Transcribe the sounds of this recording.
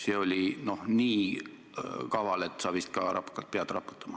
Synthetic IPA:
se̞ːo̞lʲino̞hniː | kɑvɑle̞t̪ːˑsɑːb̥ist̪kɑ̰ɾʔɑ̰pːˑu̥kːɑlt̪̚peɑd̪̥rɑ̰pːˑu̥t̪ːˑɑmɑ

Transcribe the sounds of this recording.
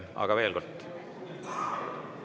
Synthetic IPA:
ɑ̰ɡ̥ɑve̞ːlkolt̪ːˑ

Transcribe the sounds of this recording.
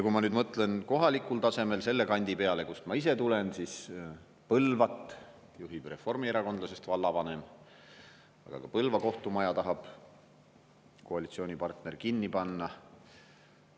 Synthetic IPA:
jɑkumɑnyːd̪mɤt̪ːˑle̞nko̞ɦɑlikˑult̪ɑse̞me̞lse̞lːe̞kɑnʲd̪̥ipe̞ɑle̞kust̪mɑise̞t̪ule̞nsis | pɤlvɑt̪ˑː | juɦib̥re̞fo̞rmieɾɑko̞nd̪lɑse̞st̪vɑlːɑvɑne̞m | ɑ̰ɡ̥ɑ̰kɑpɤlvɑko̞ht̪umɑjɑt̪ɑɦɑb̥ | koɑlit̪sio̞ːnʲipɑrt̪nerkinːipɑnːɑ

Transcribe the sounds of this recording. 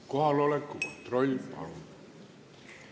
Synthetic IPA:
kohɑlolekkukot̪roiimpɑ̰l

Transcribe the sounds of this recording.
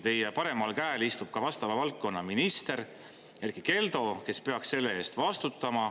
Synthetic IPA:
t̪e̞jepɑɾe̞mɑlkæelist̪ub̥̚kɑvɑst̪ɑvɑvɑlt̪̚ko̞nːɑminist̪e̞ɾ | jerɡ̥ike̞ld̪o̞ke̞spe̞ɑksse̞lːe̞e̞ːst̪vɑst̪ut̪ːˑɑmɑ

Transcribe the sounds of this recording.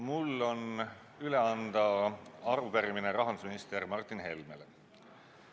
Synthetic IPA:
mulːo̞n | yle̞ɑnd̪̥ɑɑrupæɾimineɾɑɦɑnd̪usminist̪ermɑrt̪ːˑinɦe̞lmele

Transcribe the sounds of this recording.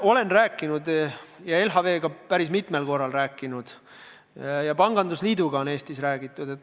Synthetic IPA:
o̞le̞nræːkːˑinud̪̥jɑe̞lɦɑve̞ːɡ̥ɑpæɾismit̪me̞lko̞rːɑlræːkːˑinud̪̥ | jɑpɑŋɡ̥ɑnd̪usliːd̪uɡɑo̞ne̞ːst̪isræːɡ̥it̪ːˑud̪̥e̞t̪

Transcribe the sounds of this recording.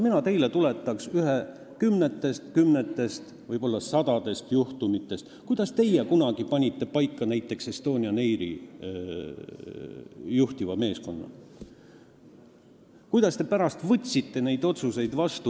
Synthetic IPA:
minɑt̪e̞jle̞t̪ule̞t̪ːˑɑksyɦe | kymnet̪ːˑe̞st̪kymnet̪ːˑe̞st̪ | vɤjb̥o̞lːɑsɑd̪ɑd̪̥e̞st̪juht̪umit̪ːˑe̞st̪kujd̪̥ɑst̪e̞jekunɑɡ̥ipɑnʲit̪ːˑe̞pɑjkːɑnæjt̪ːˑe̞ksest̪o̞ːnʲiɑne̞jɾḭ | juht̪ivɑme̞ːsko̞nːɑ̰ | kujd̪̥ɑst̪e̞pæɾɑst̪vɤt̪ʲsit̪ːe̞ne̞jd̪̥o̞t̪suse̞jd̪̥vɑst̪u

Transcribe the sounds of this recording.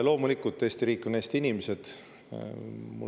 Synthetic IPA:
lo̞ːmulikːˑut̪ːe̞ːst̪iɾiːkːˑuneːst̪iinimese̞d̪̥ | mṵ

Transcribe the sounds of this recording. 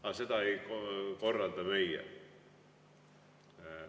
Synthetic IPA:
ɑset̪ɑeikoko̞rːɑld̪̥ɑmeijæ̰

